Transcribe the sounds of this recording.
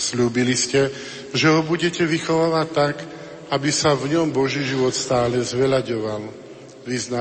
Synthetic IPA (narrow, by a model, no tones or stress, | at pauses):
sluːbiliscɛ | ʒɛɦɔbuɟɛcɛʋixɔʋaːʋact̪ːak | abisavɲɔmbɔʒiːʒiʋɔt̪st̪aːlɛzʋɛlaɟɔʋal | ʋizna